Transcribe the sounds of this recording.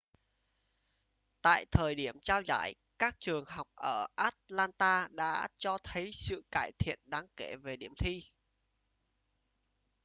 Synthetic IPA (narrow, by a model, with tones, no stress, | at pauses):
t̪a̰ː˧˨jt̪ʰəː˨˩jɗi˦˧˩əmt͡ɕaː˧wza̰ː˧˩j | kaː˦˥k̚t͡ɕɨ˨˩əŋɦa˨˩wk͡p̚ʔəː˧˩ʔaː˦˥t̚laː˧nt̪aː˧ɗa̰ː˧˥t͡ɕɔ˧t̪ʰə˨˦jsɨ̰˧˨kaː˧˩jt̪ʰḭ˧˨ənɗaː˨˦ŋke˧˩ve˨˩ɗi˧˩əmt̪ʰi˧